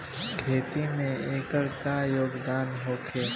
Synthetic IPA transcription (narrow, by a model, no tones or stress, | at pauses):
ɡʱeːt̪imẽeːkəɽkajoːɡd̪aːnɦoːkʰeː